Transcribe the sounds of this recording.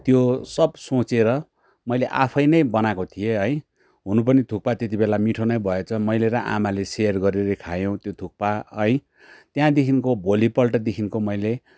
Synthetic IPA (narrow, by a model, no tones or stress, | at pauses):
t̪josʌbsot͡seɾʌ | mʌjleʔapʰʌjnʌjbʌnakot̪ʰijeɦʌj̃ | ɦunup̬ʌnit̪ʰuk̚pat̪et̪ibelamiʈʰonʌjbʱʌet͡sʰʌmʌjleɾʌʔa̰malesejʌrɡʌɾeɾʌkʰajõt̪jot̪ʰuk̚paɦʌj̃ | t̪jãd̪ekʰinkobʱolipʌlʈʌd̪ekʰinkomʌjle